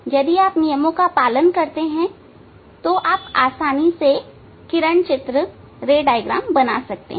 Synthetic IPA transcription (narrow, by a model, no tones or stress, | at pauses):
jɐd̪iaːpnijəmõkapaːlənkɐɾt̪eɦɛ̃ | t̪oʔaːpaːsaːnise | kɪɾəɳ̃t͡ʃɪt̪ɾə | ɾeːɖaːɪɡɾa̰ːmbɐnasɐk̚t̪ḛɦ